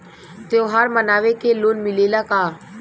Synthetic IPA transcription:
t̪oɦaːɾmənaːʋekeloːnmɪleːlakaː

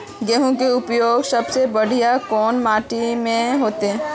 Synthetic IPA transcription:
ɡɛːɦõkeʊpjoːɡsɐbsebəɽ̤ijakɔːnmaːʈimẽɦoːt̪eɦɛ̃ː

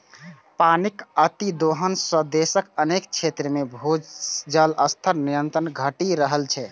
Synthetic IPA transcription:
panikət̪id̪oɦənsəd̪esəkənekt͡ʃʰet̪ɾəmebʱod͡ʒd͡ʒələst̪ʰəɾnijənt̪ɾənɡʱəʈiɾəɦəlt͡ʃʰɛ

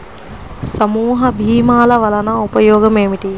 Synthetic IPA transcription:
sɐmuːɦɐbʱiːmaːlɐʋɐlɐnɐupɐjoːɡɐmeːmiʈi

